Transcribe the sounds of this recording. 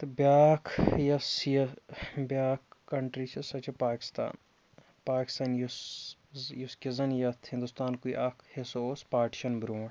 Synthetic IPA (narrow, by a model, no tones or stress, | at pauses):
t̪objaːkʰjɐsjɐbjaːkːɐɳʈɾit͡ʃʰɐsɐt͡ʃʰepaːkɪ̥st̪a̰ːn | paːkɪ̥st̪aːnjus | juskizɐnjɐt̪ʰhɪ̃nd̪ust̪aːnkuiʔɐkʰhesoːspaːʈʃɐnbɾuːɐ